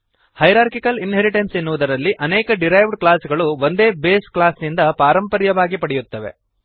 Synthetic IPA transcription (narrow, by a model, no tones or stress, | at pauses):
hɐjɾaːɾkikɐlinɦeɾiʈensenːuʋud̪ɐɾɐlːiʔɐnɛːkɐɖiɾɐjʋɖklaːsɡɐɭuʋond̪e̞ːbeːsklaːsnind̪ɐpaːɾɐmpɐɾjɐʋaːɡipɐɽɛjut̪ːɐʋe̞̰